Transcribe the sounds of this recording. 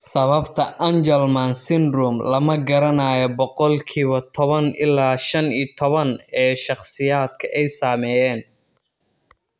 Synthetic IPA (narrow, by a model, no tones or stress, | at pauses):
sɐβɐbt̪ʰɐʔɐnd͡ʒɛlmansɪnrʊmlɐmɐɡɐɾɐnaːjɔbɔqɔlkʰiːβɐt̪ʰɔβɐnʔɪlːaːʃɐniːt̪ʰɔβɐnɛːʃɑχsɪjaːd̪̚kʰɐʔɛjsaːmɛjɛːn